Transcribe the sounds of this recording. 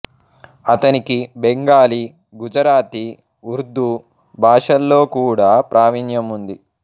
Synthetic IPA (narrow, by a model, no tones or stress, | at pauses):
ɐt̪ɐnikibeŋɡaːli | ɡud͡ʒɐɾaːt̪i | uɾd̪u | bʱaːʂɐlːoːkuːɽaːpɾʔaːʋinjɐmund̪i